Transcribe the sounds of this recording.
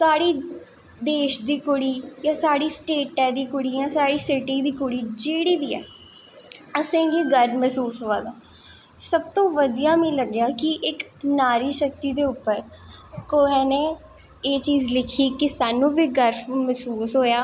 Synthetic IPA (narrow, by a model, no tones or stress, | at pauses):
saːɽiː | d̪eːʃd̪iːkʊɽiːjaːsaːɽiːsʈeːʈːɛːd̪iːkʊɽiːãːsaːɽiːsɪʈiːd̪iːkoɽiːd͡ʒeːɽiːʋiːɛ̰ː | əsẽːɡiːɡəɾmɛːsuːsɦoːaːd̪aː | səb̚t̪õːʋəd̪ijaːmĩːləɡjaːkɪʔɪknaːɾiːʃək̚t̪iːd̪eːʊpːəɾkoːeːneː | eːt͡ʃiːzlɪkʰiːkɪsaːnũːʋiːɡəɾmɛsuːsɦoːjaː